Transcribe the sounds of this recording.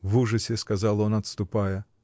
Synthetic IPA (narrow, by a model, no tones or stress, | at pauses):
vuʐəsʲɪskɐzɑlˠonɐt̪st̪ʊpajə